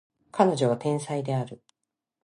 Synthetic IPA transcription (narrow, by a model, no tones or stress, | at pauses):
kʰano̞ʑo̞βat̪ẽ̞ɰ̃said̪e̞aɾɯ̟